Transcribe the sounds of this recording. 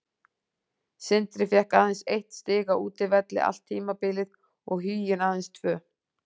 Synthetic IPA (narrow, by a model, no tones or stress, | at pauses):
sɪnt̪ɾɪfjɛhkaːðɪnsejht̪st̪ɪːɣauːt̪ɪvɛt̪lɪ̰ʔa̰l̥t̪ʰːiːmapɪlɪð | ɔɣɦyːjɪnaðɛnst̪ʰv̥œː